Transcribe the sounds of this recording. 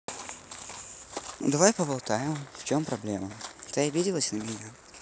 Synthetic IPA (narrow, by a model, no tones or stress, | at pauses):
d̪ɐvajpəvɐlˠt̪ajɪmft͡ɕompɾɐblʲemət̪ɨɐbʲidʲɪlˠəsʲnəmʲɪnʲa